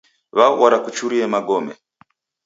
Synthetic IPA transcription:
βawaɾakut͡ʃuɾiɛmaɡɔmɛ̰

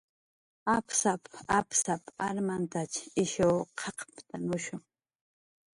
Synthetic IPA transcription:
apsapapsapaɾmant̪at͡ʃɪʃowqʰɑqpt̪amʊʃʊŋ

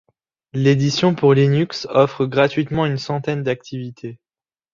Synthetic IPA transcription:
led̪isjɔ̃puʁlinyksɔfχəɡʁat̪ɥit̪mɑ̃ynsɑ̃t̪ɛnd̪ak̚t̪ʰivit̪ʰe

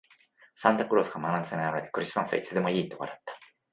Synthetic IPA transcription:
sãnd̪akɯ̟ɾo̞ːsɨ̥kamanãnsenaaɾed̪e̥kɯ̟ɾʲisɨmasɨa̰it͡sɨd̪e̞mo̞iːt̪o̞βa̰ɾat̪ːḁ

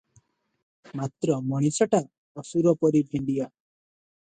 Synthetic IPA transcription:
mat̪ɾɔmɔɽ̃isɔʈa | ɔsuɾɔpɔɾibʱeɳɖija

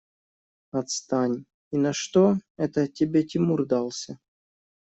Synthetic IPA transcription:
ɐt̪st̪anʲ | inɐʂt̪oɛt̪ətʲɪbʲetʲɪmurd̪alˠsʲə

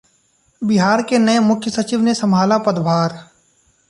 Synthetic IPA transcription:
bɪɦaːɾkenəemʊkʰjəsɐt͡ʃɪʋnesɐmʱaːlapəd̪bʱaːɾ

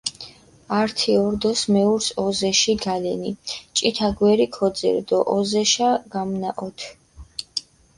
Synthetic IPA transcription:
aɾt̪ʰiɔɾd̪ɔsmɛuɾsɔzɛʃiɡalɛnit͡ʃʼit̪ʰaɡwɛɾikʰɔd̪zɛ̰ɾd̪ɔʔɔzɛʃaɡ̥amnaʔɔt̪ʰ

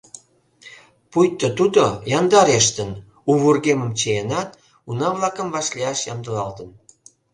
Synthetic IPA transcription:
pujt̪ːot̪ud̪ojɑnd̪ɑɾeʃt̪ən | uβurɣeməmt͡ɕeenɑt̪ | unɑβlɑkəmvɑʃliɑʃjɑmd̪əlɑlt̪ən

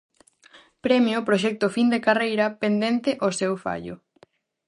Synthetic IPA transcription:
pɾɛmjopɾoʃ̬ɛk̚t̪ʊfind̪ekarejɾɐpend̪ɛnt̪ɪʔosɛwfa̰ʎʊ̰

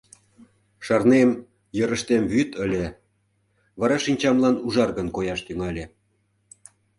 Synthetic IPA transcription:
ʃɑrnem | jəɾə̆ʃt̪emβyt̪ə̆lʲe | βɑɾɑʃinʲt͡ɕɑmlɑnuʒɑrɣə̆nkojɑʃt̪yŋɑlʲĕ

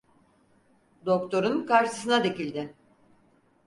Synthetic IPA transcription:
d̪o̞kt̪ʰo̞ɾunkaɾʃɯ̥sɯnad̪e̞cilʲd̪ɪ

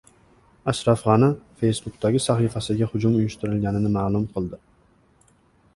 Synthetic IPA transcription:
aʃɾɑfʁɑnɪfe̞jsbʊk̚t̪ʰaɡʲɪsaχifasɪɡʲahʊd͡ʒʊmʊjʊʃt̪ɪɾɪlɡʲanɪnɪmaːlˠʊmqʰɨlˠd̪ɪ

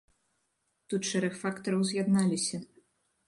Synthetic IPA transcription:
t̪ut̪ʂɛɾɐxfakt̪ɐɾɐwzjad̪nalʲisʲɐ

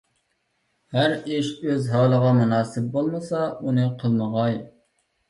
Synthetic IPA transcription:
hæɾiʃøzɦɑːlˠəʁɑmunɑːsɪp̚bolˠmɨsɑunɨqʰəlˠməʁɑj

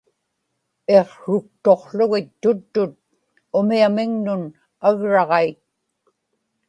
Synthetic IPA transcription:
e̞qʂʊk̚t̪o̞qɬʊɣɪt̪ːʊt̪ːʊt̪̚ | ʊmiamɪŋnʊn | aɣɻɑʁɑit̪̚

